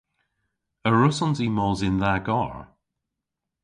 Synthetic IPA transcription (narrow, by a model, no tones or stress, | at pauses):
əɹʊsɔnziːmɔːzɪnðaɡɔɹ